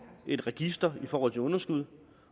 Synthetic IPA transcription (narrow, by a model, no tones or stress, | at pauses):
e̝d̥ʁɛɡ̥isd̥ɐifɒːhɒ̰̽t͡sʰe̝ɔ̽nɐsɡ̥uð̞̰ˠ